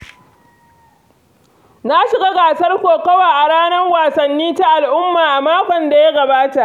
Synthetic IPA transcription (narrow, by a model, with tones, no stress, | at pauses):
na˦ʃɪ˨ɡa˦ɡaː˨sɐ˦rkʷoː˨kɐ˦waː˨ʔa˨ɽaː˦nɐ˦ŋwaː˨sɐ˨nːiː˦ta˦ʔa˨lʔʊ˦mːaː˨ʔa˨maː˦kʷɔ˨nda˨ja˦ɡɐ˨baː˦ta˨ʔ